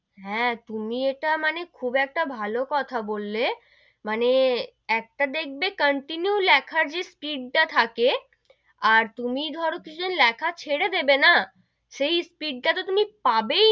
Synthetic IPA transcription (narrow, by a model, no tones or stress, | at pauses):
ɦɛ̃t̪umieʈamanekʰubɛk̚ʈabʱalokɔt̪ʰabolːe | mane | ɛk̚ʈad̪ek̚ʰbekəɳʈinjulɛkʰaɾd͡ʑespiɖ̚ʈat̪ʰake | aɾt̪umid̪ʱɔɾokit͡ɕʰud̪inlɛkʰat͡ɕʰeɽed̪ebena | ʃejspiɖ̚ʈat̪̬ot̪umipabe